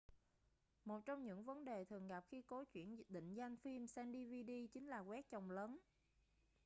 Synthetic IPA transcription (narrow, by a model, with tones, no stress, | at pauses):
mo˨˩t̚t͡ɕɔ˧wŋ͡mɲɨ̰˧˥ŋvə˨˦nɗe˨˩t̪ʰɨ˨˩əŋɣa˨˩p̚xi˧ko˨˦t͡ɕwḭ˧˩ənɗḭ̈˧˨ŋ̟za˧jŋ̟fi˧msɛ˧nɗi˧vi˧ɗi˧t͡ɕï˨˦ŋ̟laː˨˩ɣwɛ˦˥k̚t͡ɕə˨˩wŋ͡mləː˨˦n